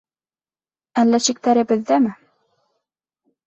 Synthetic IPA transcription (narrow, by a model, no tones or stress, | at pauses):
ælːæɕik̚t̪æɾɘ̆bɘ̆ðːæmɘ